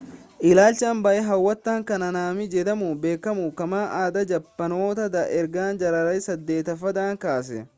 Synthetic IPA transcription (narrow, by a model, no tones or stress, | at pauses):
ʔɪlaːlt͡ʃɐːmbɐʔɛɦɐwːɐt̪ːaːŋkɐnɐnaːmɪd͡ʒɛd̪ɐmʊbe̞ːkːɐmukɐmaːʔaːd̪ɐd͡ʒɐpːɐno̞ːt̪ɐd̪ɐʔɛɾɡaːnd͡ʒɐɾɐɾɐjsɐd̪ːe̞ːt̪ɐfɐd̪aːŋkaːs̬ɛ̰